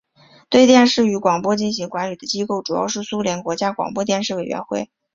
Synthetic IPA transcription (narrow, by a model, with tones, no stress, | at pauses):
t̪we˥˧ɪt̪jɛ˥˧nʂɻ̩˥˩y˧˥kwɑ˨˩ŋpwɔ˥t͡ɕi˥˩nɕi˧˥ŋkwa˧˥nly˨˩d̪̥ə˦t͡ɕi˥ko˥˩ʊʈ͡ʂu˨˩jɑ̰˥˧ʊʂɻ̩˥˩su˥ljɛ˧˥nkwɔ˧˥t͡ɕja˥kwɑ̰˨˩ŋpwɔ˥t̪̬jɛ˥˧nʂɻ̩˥˩we˨˩ɪɥɛ̰˧˥nxwe˥˩ɪ